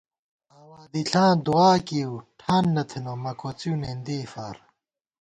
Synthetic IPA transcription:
aːwaːd̪iɬãːd̪uaːkiwʈʰaːnːɐt̪ʰenomɐkot͡sunend̪iːfaːɾ

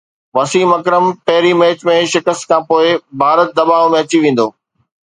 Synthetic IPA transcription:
ʋɐsiːmɐkɾəmpɐɦɪɾimeːt͡ɕmẽʃɪkəst̪kʰãːpoːɪbʱaːɾət̪̚d̪ɐbaːʋmẽɐt͡ɕiʋẽːn̆d̪oː

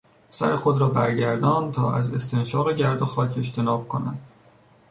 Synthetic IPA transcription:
sæɾexo̞d̪ɾɒːbæɾɟæɾd̪ɒːnt̪ʰɒːʔæze̞st̪ʰe̞nʃɒːɣe̞ɟæɾd̪oxɒːcʰe̞ʃt̪ʰe̞nɒːb̥̚kʰo̞næ̰nd̪̥

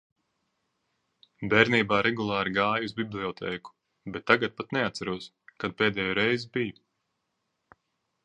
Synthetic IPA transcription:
bɛːɾniːbaːɾɛɡulˠɑːɾiɡaːjuzbiblˠiɔt̪ʰɛːku̥ | bɛt̪ːaɡat̪̚pat̪nɛat̪saɾuɔs | kad̪̚peːd̪ɛːjuːɾɛjzbiju

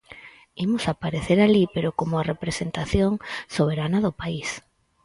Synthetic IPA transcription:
imʊsapaɾeθeɾalipeɾokomoarepɾesent̪aθjoŋsoβeɾanɐðʊpais

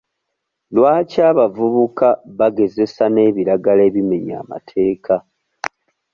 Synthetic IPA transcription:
lwaːcaːβavuβukaβaɡe̞ze̞sane̞ːβiɾaɡale̞ːβime̞ɲa̰ːma̰tʰe̞ːkʰa

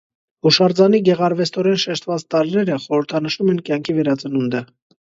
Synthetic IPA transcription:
uʃɑɾd͡zɑniɡɛʁɑɾvɛst̪ɔɾɛnʃɛʃt̪vɑt͡st̪ɑɾinɛɾəχɔɾəɾt̪ʰɑnəʃumɛnkjɑŋkʰivɛɾɑt͡sənund̪ə

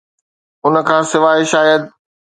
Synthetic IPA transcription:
ʊnə̆kʰãːsɪʋaːɦɪʃaːjəd̪

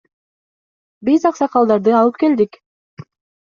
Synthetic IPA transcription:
bizɑqsɑqɑlˠd̪ɑɾd̪ɯɑlˠɯp̚ke̞ld̪ik

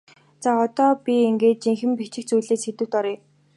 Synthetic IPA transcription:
t͡saɔt̪ɔːpʲieŋɡeːt̪̚t͡ɕiŋxɘ̆mpit͡ɕɪ̆k̚t͡sujɮeːsxet̪ɘ̆w̥t̪ɔɾiː

